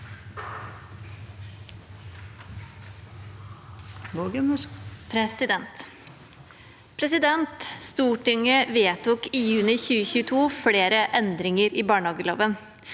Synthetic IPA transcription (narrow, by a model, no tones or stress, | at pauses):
ʋoɡəmɔpʰɾɛsɪd̪ɛnt̪ | pʰɾɛsɪd̪ɛnt̪st̪uːʈɪŋəʋeːt̪ʊkijʉːnɪçʉːəçʉːət̪ʰuːfɽeːɾəʔɛnd̪ɾɪŋəɾiːbɑːɳəɑːɡəlo̰ːʋən